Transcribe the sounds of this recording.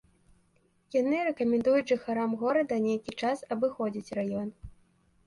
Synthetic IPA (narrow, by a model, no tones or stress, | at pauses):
janɨɾɛkɐmʲɛnd̪ujut͡sʲʐɨxaɾamɣɔɾɐd̪ɐnʲejkʲit͡ʂasɐbɨxɔd͡zʲit͡sʲrajɔn